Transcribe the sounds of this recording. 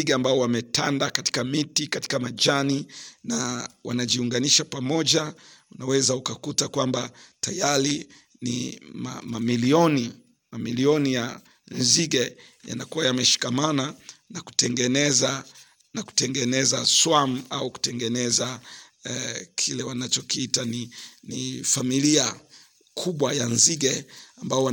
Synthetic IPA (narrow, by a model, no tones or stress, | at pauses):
iɡɛambaɔwamɛtandakati̥kamitikati̥kamad͡ʒaninawʔa̰naʄiuŋɡaniʃapamɔʄaunawɛzaukakutakwambatajaɾi | nḭma̰mamiliɔni | mamiliɔnija | nziɡɛ | ja̰nakuwajamɛʃi̥kamananaku̥tɛŋɡɛnɛza | naku̥tɛŋɡɛnɛzaswamuauku̥tɛŋɡɛnɛza | kʰilɛwanat͡ʃɔkiitaninifamilia | kʰuɓwajanziɡɛambaɔwa